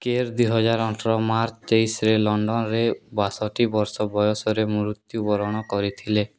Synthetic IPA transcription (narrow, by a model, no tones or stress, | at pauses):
keɾd̪wiɦɔd͡ʒaɾɔʈʰɾɔmaɾt͡ʃd͡ʒejsɾelɔɳɖɔnɾebasɔʈibɔɾsɔbɔjɔsɔɾemuɾut̪jubɔɾɔɽ̃ɔkɔɾit̪ʰile